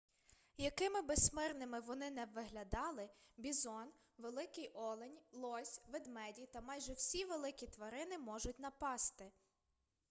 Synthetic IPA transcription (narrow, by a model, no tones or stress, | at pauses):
jɐkɪmɪbesmɪrnɪmɪʋɔnɪnɛʋːɪɦlʲɐd̪ɑlˠɪbʲizɔn | ʋelˠɪkɪjʔɔlˠenʲlˠɔsʲʋed̪mɛdʲit̪ɐmɑjʒɛwsʲiʋelˠɪkʲit̪ʋɐɾɪnɪmɔʒʊtʲn̪ɐpɑst̪ɪ